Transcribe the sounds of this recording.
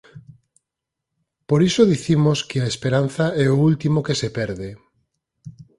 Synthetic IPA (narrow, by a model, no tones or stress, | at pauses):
poɾisoðiθimoskeaespeɾan̟θaɛoult̪imokesepɛɾðe